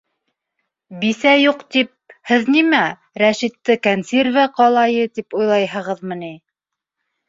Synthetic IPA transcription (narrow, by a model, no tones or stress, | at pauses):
biθæjuqt̪ip̚hɘðnimæ | ɾæʃit̪ːɘkɐnsʲervaqɑlˠɑjɤt̪ipujlˠɑjɦɤ̆ʁɤðmɤ̆ni